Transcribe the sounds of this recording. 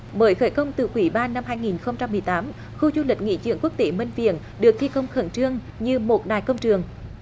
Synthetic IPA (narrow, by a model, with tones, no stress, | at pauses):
ɓəː˨˦jxəː˧˩jkə˧wŋ͡mt̪ɨ˨˩kwi˧˩˦ɓaː˧nːa˧mɦaː˧jŋi˨˩nxə˧wŋ͡mt͡ɕa˧mːɨ˨˩əjt̪aː˨˦m | xu˧zu˧lï̟˨˩ŋḭ˧˥t͡ɕɨ̰˧˩əŋku˦˥k̚t̪e˨˦mi˧ŋ̟vḭ˧˨ən | ɗɨ˨˩ək̚t̪ʰi˧kə˧wŋ͡mxə˧˩nt͡ɕɨ˧əŋ | ɲɨ˧mo˨˩t̚ɗa̰ː˨˩jkə˧wŋ͡mt͡ɕɨ˨˩əŋ